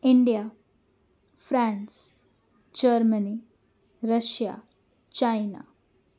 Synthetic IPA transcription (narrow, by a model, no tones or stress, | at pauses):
iɳɖija | fɾãns | d͡ʑəɾməni | ɾəʃja̰ | t͡ɕajna̰